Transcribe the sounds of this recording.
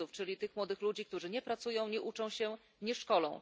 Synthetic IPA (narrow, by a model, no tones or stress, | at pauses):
uft͡ʂɘlʲit̪ɘxmwɔd̪ɘxlud͡ʑik̚t̪uʐɘɲɛpɾat̪sujɔ̃w̃ɲɛʔut͡ʂɔ̃w̃ɕɛ | ɲɛʂkɔlɔ̰̃w̃